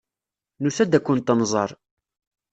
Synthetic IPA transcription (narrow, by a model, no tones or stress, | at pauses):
nusæd̪ækʷːʊnt̪ːənzˤɑɾˤ